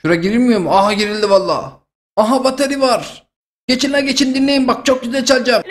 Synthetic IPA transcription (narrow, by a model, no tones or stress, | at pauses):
ʃuɾaɟiɾimijomuaɦaɟiɾilʲd̪ivalˠːa̰ː | aɦabat̪ʰaɾivaɾ | ɟ̥et͡ʃʰinlʲæɾɟe̞t͡ʃʰind̪inlʲe̞jimbak̚t͡ʃʰok̚ɟyzælʲt͡ʃʰalʲˠd͡ʒam